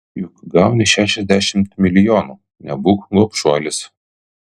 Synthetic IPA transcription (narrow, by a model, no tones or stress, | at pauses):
jʊkɡɑˑʊnʲɪʃʲæːʃʲɛzʲd̪ʲæʃʲɪmt̪mʲɪlʲɪjoːnu | nʲɛbuːkɡɔpʃuɔlʲɪs